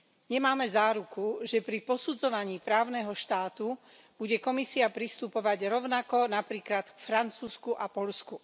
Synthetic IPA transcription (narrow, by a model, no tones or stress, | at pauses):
ɲɛmaːmɛzaːɾukuʒɛpɾipɔsud͡zɔʋaɲiːpɾaːʊnɛɦɔʃt̪aːt̪u | b̥uɟɛkɔmisiapɾist̪upɔʋaɟɾɔʊnakɔnapɾiːklat̪kfɾant͡suːskuʔapɔʎsku